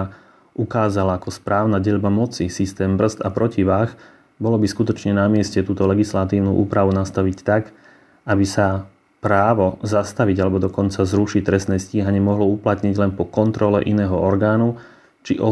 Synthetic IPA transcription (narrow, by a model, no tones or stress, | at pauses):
ukaːzalaakɔspɾaːʊnaɟɛʎbamɔt͡sisist̪ɛːmbr̩zt̪apɾɔciʋaːx | bɔlɔbiskut̪ɔt͡ʃɲɛnamɪɛscɛt̪uːt̪ɔlɛɡislat̪iːʊnuʔṵːpɾaʋunast̪aʋict̪ak | abisa | pɾaːʋɔzast̪aʋiɟalɛbɔd̪ɔkɔnt͡sazɾuʃic̚t̪ɾɛstnɛːsciːɦaɲɪɛmɔɦlɔuplat̪ɲiɟlɛnpɔkɔnt̪ɾɔlɛ̰ʔinɛːɦɔɔɾɡaːnu | t͡ʃḭʔɔ